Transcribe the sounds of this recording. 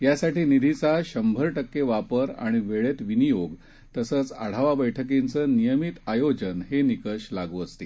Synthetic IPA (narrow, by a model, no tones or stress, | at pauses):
jasaʈiːnid̪ʱit͡saɕəmbʱəɾʈəkːeʋapəɾa̰ɽ̃iʋeɭet̪ʋinijoɡ | t̪əsət͡sə̰ɽ̤aʋabəjʈʰək̬int͡səːnijəmit̪ajod͡ʑənɦenikəɕlaɡuəst̪e